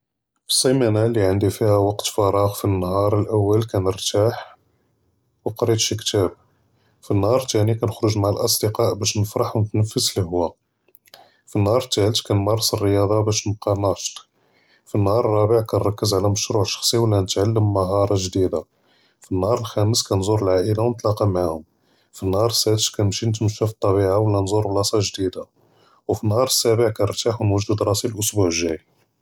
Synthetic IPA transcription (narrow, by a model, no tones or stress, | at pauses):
fə̥sˤːɑmænæliʕənd̪ifihæwɑqt̪fɑɾˤɑɣfinːhɑɾˤəlʔæwːəlkænəɾt̪aħ | wəqɾid̪ʃikt̪æb̚ | finːhɑɾˤt̪ænikænəxɾʊʒmaʕalʔɑsˤd̪əqɑʔbæʃnəfɾɑħwnət̪nəfːəsləɦwæ | finːhɑɾˤt̪ːælt̪kænmɑrˤːsˤərːəjɑd̪ˤɑbæʃnəb̚qɑnɑʃt̪ | finːhɑɾˤərˤːɑbəʕkænɾˤɑkːəzʕlæməʃɾuʕʃɑ̥xsˤiwəlːænət̪ʕalːəmːəɦɑɾˤɑʒd̪id̪a | finːhɑɾˤəlxæməskænzuɾəlʕaʔəlawnət̪ˤlɑqɑmaʕahʊm | finːhɑɾˤəsæt̪t̪kænmʃinət̪məʃːæft̪ˤːɑbiʕawlːænzuɾblɑsˤɑʒd̪id̪a | wfinhɑɾˤəsːæbəʕkænəɾt̪ːaħwnwəʒd̪əd̪ɾˤɑsilʔʊsbuʕəʒːæj